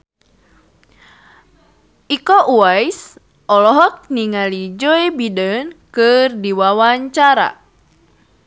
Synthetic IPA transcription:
ʔikɔʔuajs | ʔɔlɔɦɔk̚niŋalid͡ʒoebidənkɨrdiwawaɲt͡ʃaɾa̰

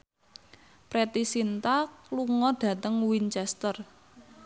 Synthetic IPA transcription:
pɾet̪isint̪akkluŋɔɖ̥ä̤t̪əŋwint͡ʃɛst̪ər

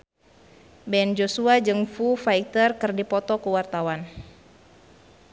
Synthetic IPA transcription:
bɛnd͡ʒosuad͡ʒɨŋfufait̪ərkɨrdipɔt̪ɔkuwart̪awan

